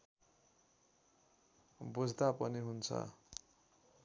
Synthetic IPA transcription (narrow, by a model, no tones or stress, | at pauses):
bud͡zʱd̪apʌniɦunt͡sʰʌ̰